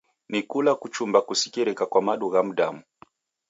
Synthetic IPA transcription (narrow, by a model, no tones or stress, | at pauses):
nikulakut͡ʃumbakusi̥kiɾɛkakwamaɗuɣam̩ɗamu